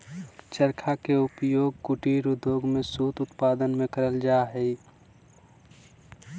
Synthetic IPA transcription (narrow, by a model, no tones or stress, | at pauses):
t͡ʃəɾkʰakeʊpjoːɡ̚kʊʈiɾud̪ʱoːɡmẽsuːt̪ʊt̪paːd̪ənmẽkəɾəld͡ʒaːɦɛi